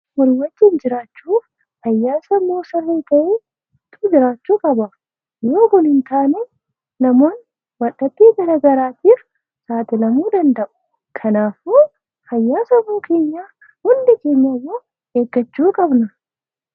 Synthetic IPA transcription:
wɔɾwɐd͡ʒːɪnd͡ʒɪɾaːt͡ʃːuːf | hɐjːaːsɐmːoːsɐrːeːt̪ɐʔeː | t̪ʼʊːd͡ʒɪɾaːt͡ʃːuːkʼɐbɐ | joːkʊnhɪnt̪aːnɛ | nɐmo̞ːn | wɐᶑɐt̪ːiːɡɐɾɐɡɐɾaːt̪iːf | saːt̪ɪlɐmuːd̪ɐnd̪ɐʔʊ̥ | kʰɐnaːfmoː | hɐjːaːsɐmoːkʰe̞ːɲːaː | hʊnd̪ɪke̞ːɲːajːoː | eːɡːɐt͡ʃːuːkʼɐbnɐ

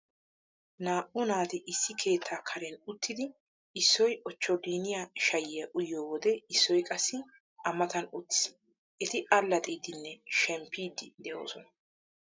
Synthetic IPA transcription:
naːʔʊnaːt̪ɪʔɪsːɪkʰe̞ːt̪ʰːaːkʰɐɾɛnʊt̪ːɪd̪ɪ | ʔɪsːɔjʔɔt͡ʃːɔɡiːnɪjaʃɐjɪjɐʔʊjːoːwɔd̪ɛɪsːɔjkʼɐsːɪ | ʔɐmɐt̪ɐnʊt̪ːɪ̥s | ʔɛt̪ɪʔɐlːɐt̪ʼiːd̪ɪnːɛʃɛmpːiːd̪ɪd̪ɛʔoːsɔnɐ

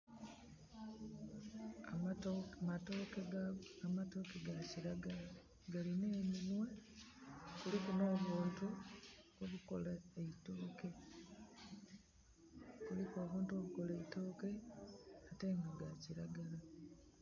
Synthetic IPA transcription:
ammato̞ːkeɡaamato̞keɡaciɾaɡala | ɡaline̞ːninwe̞ | kulikuno̞ːβuːntu | oβukolaeito̞ːke̞ | kulikuo̞ːβuːntuo̞βuko̞leito̞ːke̞ | ate̞ːŋɡaɡaciɾaɡala

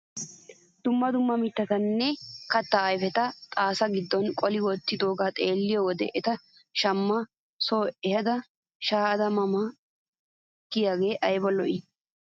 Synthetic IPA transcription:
d̪̥ʊmːɐd̪ʊmːɐmɪt̪ːɐt̪ɐnːɛkɐt̪ːaːjfɛt̪ɐt̪ʼaːsɐɡɪd̪ːɔnkʼɔlɪwɔt̪ːɪd̪o̞ːɡaːt̪ʼeːlːɪjɔwɔd̪ɛ̰ʔɛt̪ɐ | ʃɐmːɐ | soːʔɛhɐd̪ɐ | ʃaːɐd̪ɐmɐma | kːɪjaːɡe̞ːʔɐjbɐlɔʔɪ

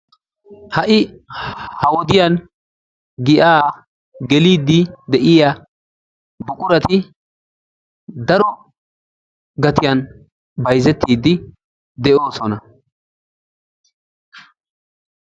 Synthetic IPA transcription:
hɐʔɪ | hɐwɔd̪ɪjɐn | ɡɪʔaː | ɡɛliːd̪ːɪd̪ɛʔɪja | bʊkʼʊɾɐt̪ɪ | d̪ɐɾɔ | ɡɐt̪ɪjɐn | bɐjzɛt̪ːiːd̪ːɪ | d̪ɛʔo̞ːsɔnɐ

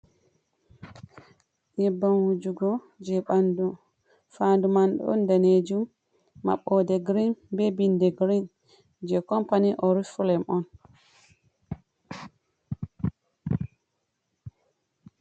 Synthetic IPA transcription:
ʔɛbːanwud͡ʒuɡɔ | d͡ʒɛɓandu | fandumanɗɔ̰ɔ̰ndaned͡ʒumː | a̰ɓːɔdɛɡɾinbɛbindɛɡɾin | d͡ʒɛkɔmpaniʔɔɾifulɛmɔn

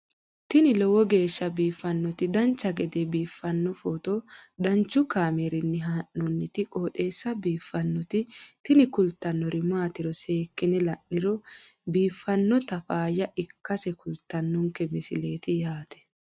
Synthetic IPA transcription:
t̪ɪnɪlɔwɔɡe̞ːʃːɐbiːfːɐnːɔt̪ɪd̪ɐnt͡ʃːɐɡɛd̪ɛbiːfːɐnːɔfoːt̪ɔd̪ɐnt͡ʃːʊkaːmeɾɪnːɪɦaːʔːɔnːɪt̪ɪkʼo̞ːt̪ʼeːsːɐbiːfːɐnːɔt̪ɪt̪ɪnɪkʊlt̪ːɐnːɔɾɪmaːt̪ɪɾɔseːkːɪnɛlɐʔːɪɾɔbiːfːɐnːɔt̪ɐfaːjɐʔɪkːɐsɛkʊlt̪ːɐnːʊŋkɛmɪsɪle̞ːt̪ɪjaːt̪ɛ̥

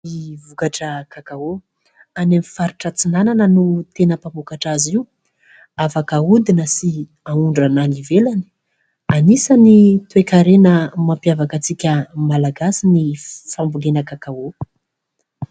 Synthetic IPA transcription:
ivukaʈ͡ʂəkakao | anemifaɾiʈ͡ʂət͡sinananənut̪enəpambukaʈ͡ʂaziu | afakaud̪inəsi | auɳɖ͡ʐananivelani̥ | anisanit̪uekaɾenəmampiavakət͡sikʲəmalaɡasinifambulenəkakao

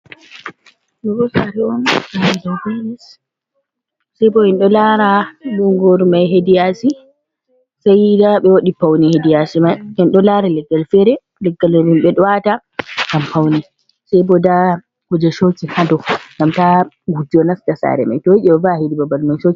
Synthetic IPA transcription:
mɛkɔsaɾɛɔnnadawbenis | sajbɔhɛnɗɔlaɾaluŋɡoɾmajɦedijasi | sajdaɓɛwoɗipawnihedijasimaɛnɗɔlaɾalɛɡːalfɛɾɛ | lɛɡːalɾimɓɛɗɔwata | ɡampawni | sajbɔda | hɔd͡ʒɛʃot͡ʃihadɔŋɡamta | ɡud͡ʒiɔnastasa̰ɾɛ̰ma̰jtɔjiʔɛɓɛvahidibabalmajʃot͡ʃi

